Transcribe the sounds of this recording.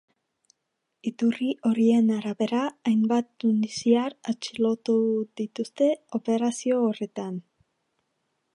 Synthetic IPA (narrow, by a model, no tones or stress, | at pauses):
it̪uriʔo̞ɾie̞naɾaβe̞ɾaːjmbat̪und̪isiaɾat͡ʃilo̞t̪uðit̪ust̪e̞o̞pe̞ɾasio̞ːre̞t̪an